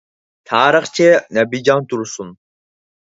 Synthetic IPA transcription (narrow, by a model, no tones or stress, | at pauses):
t̪ʰɑːɾəχt͡ʃʰinæbid͡ʒɑnt̪ʰuɾsun